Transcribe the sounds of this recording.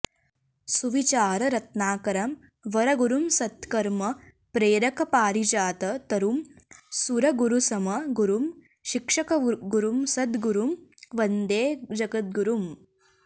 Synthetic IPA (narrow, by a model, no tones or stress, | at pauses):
suʋit͡ʃaːɾɐɾɐt̪̚naːkɐɾɐm | ʋɐɾɐɡuɾumsɐt̪kɐɾmɐ | pɾeːɾɐkɐpaːɾid͡ʒaːt̪ɐt̪ɐɾumsuɾɐɡuɾusɐmɐɡuɾum | ʃikʂɐkɐɡuɾumsɐd̪ɡuɾumʋɐnd̪eːd͡ʒɐɡɐt̪̚ɡuɾum